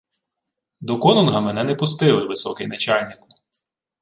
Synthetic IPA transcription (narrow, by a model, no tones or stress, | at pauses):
d̪ɔkɔnɔnɦɐmɛnɛnɛpʊs̬t̪ɪlˠɪʋɪsɔkɪjnɐt͡ʃɑlʲnʲɪk